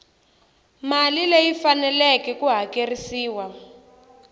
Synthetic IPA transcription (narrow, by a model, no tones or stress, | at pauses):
malilejifanɛlɛkɛkuɦakerisiːwa